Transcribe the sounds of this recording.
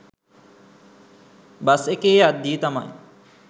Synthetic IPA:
basekeːad̪ːiːt̪ama̰j

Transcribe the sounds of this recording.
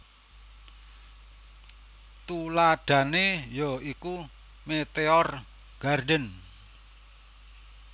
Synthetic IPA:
t̪ulaɖ̥ä̤nejɔiku | met̪eɔr | ɡ̥arɖən

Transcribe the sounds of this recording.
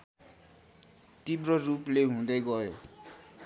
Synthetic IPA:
tibrʌrupleɦũd̪ʌjɡʌjo̰

